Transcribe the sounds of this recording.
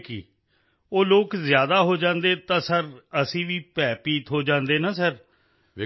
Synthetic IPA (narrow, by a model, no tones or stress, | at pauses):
kḭː | oːloːkzjaːd̪aːɦoːd͡ʒãːnd̪eːt̪ãːsəɾəsĩːʋiːpɛːpiːt̪ɦoːd͡ʒãːnd̪eːnaːsəɾ